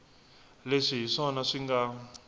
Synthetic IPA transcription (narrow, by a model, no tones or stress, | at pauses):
leʂiɦiʂɔnaʂiŋɡa